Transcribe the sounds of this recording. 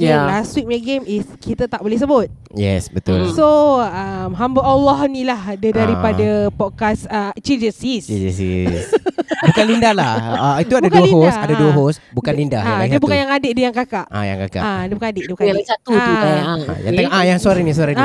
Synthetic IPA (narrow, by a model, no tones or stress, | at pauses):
aswit̚mɡemiskit̪ət̪aʔbolɛhsəbʊt̪̚ | jɛ̰sbət̪ʊ̰lsoamɦambəɔlɔhnĩlahdədaɾipadapɔt̚kasət͡ʃid͡ʒəsist͡ʃd͡ʒəsḭsbbukanlindahlahit̪uadaduəɦosadaduəɦosbukkannlinda̰halasdəbukkanjaŋadəʔdəjaŋkakaʔa̰ja̰ŋka̰ka̰adiəbukanadəʔdiəbukasat̪uuaaaa̰ja̰ŋt̪eŋɔʔajaŋsuaɾaŋnisuaɾan